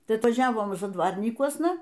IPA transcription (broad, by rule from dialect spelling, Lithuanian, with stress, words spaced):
ˈtɐɪ ɐtʋɐˈʒʲæːʋoːm zɐdˈʋɐrʲnʲiːkuɔsnɐ